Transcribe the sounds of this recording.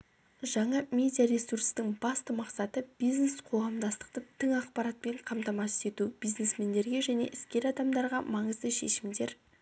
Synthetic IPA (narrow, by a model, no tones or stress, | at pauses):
ʒɑɴɑmʲe̞d̪ʲijaɾe̞surst̪ɪŋbɑst̪əmɑqsɑt̪əb̥ijznesqʰo̞ʁɑmd̪ɑst̪ə̥q̚t̪ət̪ʰɪŋɑqpɑɾɑt̪̚pe̞ɴqʰɑmt̪ɑmɑst̪e̞t̪ubijznesme̞nd̪e̞ɾɡʲe̞ʒæneʔɪskʲe̞ɾɑd̪ɑmd̪ɑɾʁɑmɑɴəzd̪əʃe̞ʃɪmd̪e̞ɾ